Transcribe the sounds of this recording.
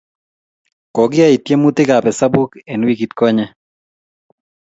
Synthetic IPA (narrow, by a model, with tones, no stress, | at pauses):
kɔ˨ɡɪ˦ai˨t̪je˦mu˦t̪ɪ˦kapɛ˨sa˦bu˦kɛnwiɡi˨t̪kɔ˦ɲɛ